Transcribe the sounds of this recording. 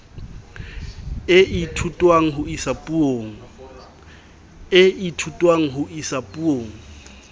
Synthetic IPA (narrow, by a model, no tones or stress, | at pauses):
ɪʔitʰutʼwaŋ̩ɦʊisapʼuoŋ̩ | ɪitʰutʼwaŋ̩ɦʊʔisapʼuoːŋ̩